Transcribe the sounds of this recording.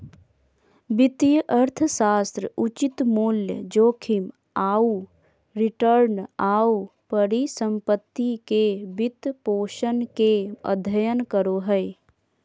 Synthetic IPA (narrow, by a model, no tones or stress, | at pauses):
bɪt̪jəʔəɾt̪ʰəsaːst̪ɾəut͡ʃit̪muːljəd͡ʒoːkʰim | aːu | ɾɪʈəɾnaːupəɾisə̃mpət̪ːikebɪt̪poːʃənkeə̰d̪ʱəjənkəɾoɦəɪ